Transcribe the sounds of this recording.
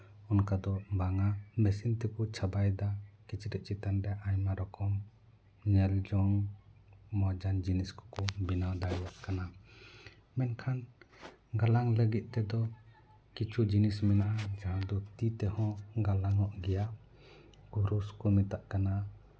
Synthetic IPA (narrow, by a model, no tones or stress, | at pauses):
ɔnkad̪ɔbaŋamesint̪ɛkut͡ʃʰabajd̪akit͡ʃʰiɾɛʔ̚t͡ʃit̪andaʔajmaɾɔkɔm | nɛld͡ʒɔŋ | mɔd͡ʒand͡ʒiniskɔ̥kɔbinawd̪ajaʔkana | mɛnkʰan | ɡalaŋləɡit̪̚t̪ɛd̪ɔ | kit͡ʃʰud͡ʒinismɛnaʔad͡ʒaɦad̪ɔt̪it̪ɛhɔ̃ɡalaŋɔʔɡɛja | kuɾuskɔmit̪aʔkana